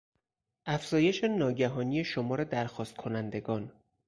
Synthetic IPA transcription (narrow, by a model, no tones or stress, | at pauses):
ʔæfz̥ɒːje̞ʃe̞nɒːɟæɦɒːnije̞ʃo̞mɒːɾe̞d̪æɾxɒːst̪̚kʰo̞nænd̪e̞ɡɒːn